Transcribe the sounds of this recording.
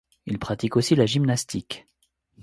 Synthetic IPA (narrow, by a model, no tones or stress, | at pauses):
ilpχat̪ikosilaʒimnast̪ik